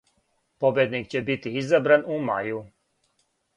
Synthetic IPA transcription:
pobjed̪nikt͡ɕebit̪iizabɾanuma̰ju

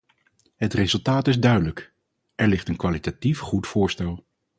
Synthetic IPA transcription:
ɦətrezɵlˠtaːtɪzdœɥdələk | ʔɛɹlɪχtənkʋalitatifχutfʊːɹstɛlˠ

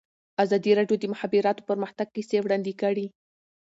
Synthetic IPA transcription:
azɑd̪iɾɑɖjod̪əmʊhabiɾɑt̪o̥pəɾməxt̪aɡ̚kisewɽɑnd̪ikəɽi

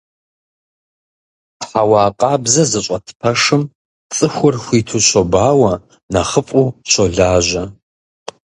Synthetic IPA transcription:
ħawaːqʼɑːbzɐzɨɕʷʼɐtʰpʰɐʂɨm | t͡sʼɨxʷʊrxʷiːtʰuɕʷobaːwɐ | nɐχəpʼuːɕʰʷoɮaːʒɐ

